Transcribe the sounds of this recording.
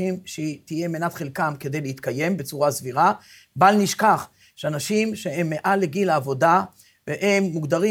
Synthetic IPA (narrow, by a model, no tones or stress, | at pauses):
imʃet̪ije̞menat̪χelkamke̞d̪e̞jleit̪kaje̞mbe̞t͡suʁasviʁa | balniʃkaχ | ʃeanaʃimʃe̞e̞mːeʔaleɡilaːvo̞da | veʔemːuɡd̪aʁi